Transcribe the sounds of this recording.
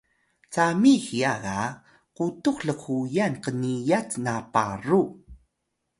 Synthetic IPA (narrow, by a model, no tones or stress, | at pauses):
t͡samixiaɣa | qutuχɬəkujanqənijat͡snaparu